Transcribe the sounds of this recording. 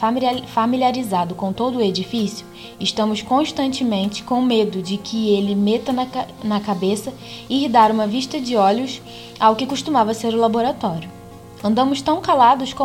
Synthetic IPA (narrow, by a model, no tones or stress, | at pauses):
familiaɾizad̪ʊkõw̃t̪od̪ʊːed͡ʒifisiʊ | ɪʃt̪ɐ̃mʊskõʃt̪ɐ̃nt͡ʃɪmẽnt͡ʃɪ̥kõw̃med̪ʊd͡ʒɪkʰɪelɪmet̪ɐnɐnɐkabesɐ | ihd̪aɾũmɐviʃt̪ɐd͡ʒɪɔlʊs | awkɪkuʃt̪umavɐseɾʊlaboɾat̪ɔɾjʊ | ɐ̃nd̪ɐ̃mʊʃt̪ɐ̃w̃kalad̪ʊskõ